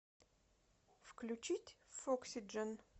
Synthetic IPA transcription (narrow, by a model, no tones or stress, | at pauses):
fklʲʉt͡ɕitʲfoksʲid͡ʒən